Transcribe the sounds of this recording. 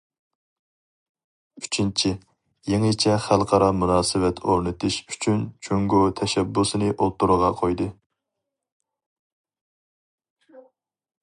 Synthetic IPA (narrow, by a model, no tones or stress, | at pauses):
yt͡ʃʰint͡ʃʰɪ | jeŋɨt͡ʃʰɛχælˠqʰɑɾɑmunɑːsɨwɛt̪ʰoɾnɨt̪ʰɪʃy̥t͡ʃʰynt͡ʃʰøŋɡot̪ʰɛʃɛbːusɨnɨʔolˠt̪ːuɾəʁɑqʰojd̪ɨ